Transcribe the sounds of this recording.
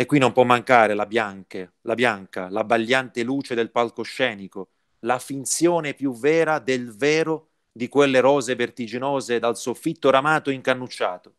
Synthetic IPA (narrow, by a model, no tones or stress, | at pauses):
ekːwinːompwɔmːaŋkaːɾelabjaŋkelabjaŋka̰labaʎːant̪ɪluːt͡ʃed̪elpalkoʃːɛːniko | lafint̪sjɔːnepjuvɛːɾad̪elvɛːɾo | d̪ikwelːeɾɔːzevert̪id͡ʒinɔːzed̪alsofːit̪ːoɾamaːt̪oiŋkanːut͡ʃːa̰ːt̪o̥